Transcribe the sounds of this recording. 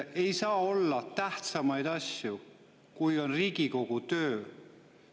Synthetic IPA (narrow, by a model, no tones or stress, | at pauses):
ejsɑːo̞lːɑt̪æht̪sɑmɑjd̪̥ɑsʲju | kujo̞nriːɡiko̞ɡ̥ut̪øː